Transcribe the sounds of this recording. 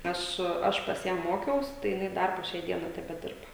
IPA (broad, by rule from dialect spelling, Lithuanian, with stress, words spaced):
ˈɐʃ ˈɐʃ pɐs ˈjæː ˈmoːkʲɛʊs tɐɪ jɪˈnɐɪ ˈdɐr poː ˈʃʲɛɪ ˈdʲiɛnɐɪ tʲɛbʲɛˈdʲɪrbɐ